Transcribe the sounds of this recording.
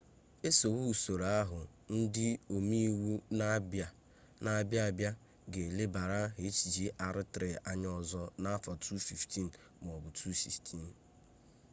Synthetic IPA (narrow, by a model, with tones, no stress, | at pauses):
e˦so˨wu˦u˨so˨ɾa˦a˦ɦʊ˨ | n̩˦dɪ˦o˨mi˦wu˦n˦ba˨ | na˦bja˦bja˦ | ɡe˨le˦ba˨ɾa˦ɦe˨˦t͡ʃi˨d͡ʒi˦ʔa˨ɾɪ˦tɾe˨a˨ɲ˦ɔ˨zɔ˦na˦fa˨tʰu˦fi˨ftʰi˦n̩˨ | m˨ɔ˨bʊ˨tʰu˦sḭ˨ftʰi˦n̩˨